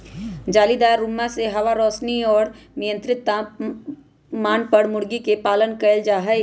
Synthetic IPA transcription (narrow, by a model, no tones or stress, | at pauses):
d͡ʒaːlid̪aːɾːumːaseɦɐʋaɾɔːsniɔːɾnɪjə̃nt̪ɾɪt̪a | maːnpəɽmʊɽɡikepaːlənkəld͡ʒaːɦɛj